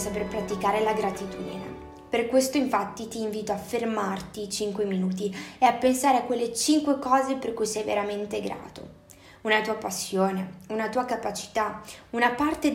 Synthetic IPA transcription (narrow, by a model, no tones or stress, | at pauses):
saperpɾat̪ikaːɾelaɡɾat̪it̪ṵd̪ḭnḛ | perkwest̪oiɱfat̪ːit̪iːɱviːt̪oafːermart̪it͡ʃiŋkweminuːt̪̬ieapːensaːɾeakːwelːet͡ʃiŋkwekɔːzeperkujsɛjvḛɾament̪eɡɾa̰ːt̪o̰ | unat̪uːapasːjoːneunat̪uːakapat͡ʃi̥t̪aunapart̪e